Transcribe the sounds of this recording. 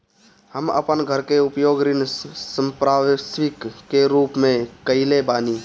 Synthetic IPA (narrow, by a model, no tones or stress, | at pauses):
həmə̰pənɡʱəɾkeʊpjoːɡɾɪnsəmpɾaːʋsʋɪkːeɾuːpmẽkəɪlebaːniː